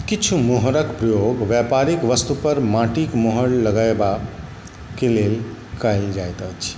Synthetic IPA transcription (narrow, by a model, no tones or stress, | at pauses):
kit͡ʃʰumoɦɾəkpɾəjoɡʋjapaɾikʋəst̪upəɾmãʈikmoɦəɽləɡaeba | kelelkajld͡ʒajt̪ət͡ʃʰ